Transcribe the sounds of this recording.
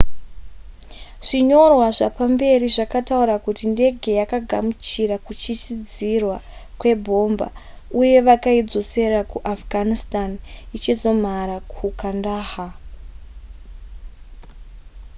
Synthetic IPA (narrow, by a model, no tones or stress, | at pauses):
ʐ̥iɲo̞rwaʐapambe̞riʐakatauɾakutinde̞ɡʱe̞jakaɡʱamut͡ʃirakut͡ʃit͡ʃid͡zirwakwe̞bʱo̞mba̰ | uje̞ʋakaid͡zo̞se̞rakuʔafɡʱanistanit͡ʃizo̞m̤aɾakʰukandaːha